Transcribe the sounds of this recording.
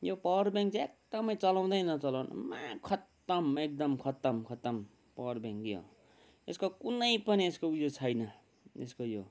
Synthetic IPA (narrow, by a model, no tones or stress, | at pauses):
jopʌrbjaŋkt͡sek̚d̪̥ʌmʌjt͡sʌlaw̃d̪ʌjnʌt͡sʌlaw̃nʌ̰mãkʰʌt̪ːʌmek̚d̪ʌmkʰʌt̪ʌmkʰʌt̪ʌm | pʌrbãŋkjo̰ | eskokunʌjpʌnieskoujot͡sʰʌjnʌ | ḛskojo